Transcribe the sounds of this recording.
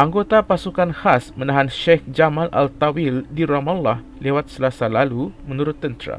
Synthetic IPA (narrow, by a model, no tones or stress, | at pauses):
ʔaŋɡot̪apasukanhasmənãɦanʃɛkd͡ʒamãlʔa̰lt̪awildiɾamalːah | lewat̪̚səlasalalumə̃nuɾʊt̪ːənt̪ɾa̰